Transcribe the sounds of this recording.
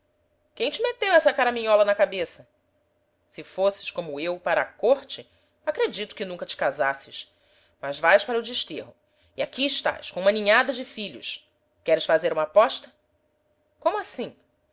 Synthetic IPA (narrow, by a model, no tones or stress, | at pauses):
kẽj̃t͡ʃɪmet̪ewɛsɐkaɾamĩɲɔlɐnɐkabesɐ | sɪfosɪ̥ʃkõmʊewpaɾɐːkoɾt͡ʃɪ | akɾed͡ʒit̪ʊ̥kɪnũŋkɐt͡ʃɪ̥kazasɪʃ | mɐzvajʃpaɾɐʊd͡ʒɪʃt̪eɦʊ | iakiːʃt̪a̰ʃkõumɐnĩɲad̪ɐd͡ʒɪfiʎʊ̰ʃ | kɛɾɪsfazeɾũmɐaːpɔʃt̪ɐ | kõmʊasĩ